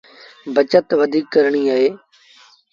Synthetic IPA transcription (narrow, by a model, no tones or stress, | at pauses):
bət͡ʃət̪ʋəd̪ʱiːkːəɾɳ̃iːaːɦeː